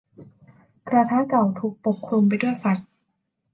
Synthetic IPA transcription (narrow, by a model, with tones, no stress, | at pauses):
kɾaː˧t̪ʰaː˦˥ka˨˩wt̪ʰuː˨˩k̚po˨˩p̚kʰɾu˧mp̬a˧jdu˥˩əjsa˨˩t̪̚